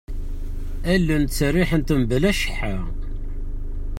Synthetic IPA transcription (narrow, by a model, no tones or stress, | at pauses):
ælːənt͡sːərːiħənt̪əmbəlæʃə̥ħːa